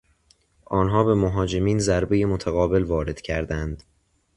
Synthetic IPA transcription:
ʔɒːnɦɒːbemoɦɒːd͡ʒe̞miːnzæɾbe̞jemot̪ʰæɣɒːbe̞lvɒːɾe̞d̪̥cʰæɾd̪ænd̪̥

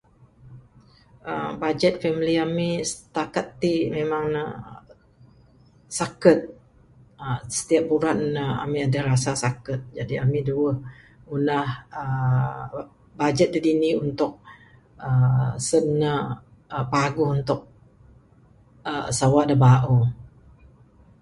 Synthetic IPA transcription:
əbad͡ʒɛt̪̚fɛmiliamisət̪akat̪ːimemaŋnə | sakət̪̚ | əsə̥t̪iap̚buɾanːəa̰miadaɾasasakət̪̚d͡ʒadiamiduəh | unahə | bad͡ʒɛt̪̚didiniunt̪ʊk̚ | əsənːə | əpaɡʊhunt̪ʊk̚ | ə̰sawaʔdəbaʔu

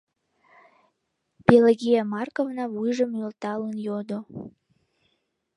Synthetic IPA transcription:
peleɣijamɑrkovnɑβujʒəmølt̪ɑlənjod̪o

